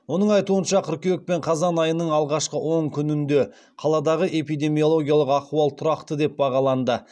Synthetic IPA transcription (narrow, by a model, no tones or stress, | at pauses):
wo̞nəɴɑjt̪uənʃɑqʲʰʏɾkʲewek̚pe̞ɴqʰɑzɑnɑjənəɴɑlˠʁɑʃqəwʔo̞ɴkʲʰʏnɪnd̪e̞ | qʰɑlˠɑd̪ɑʁəʔe̞pijd̪e̞mijo̞lˠo̞ɡʲijalˠəqɑquɑlˠt̪ʰʊɾɑqt̪əd̪e̞p̚bɑʁɑlˠɑnd̪ə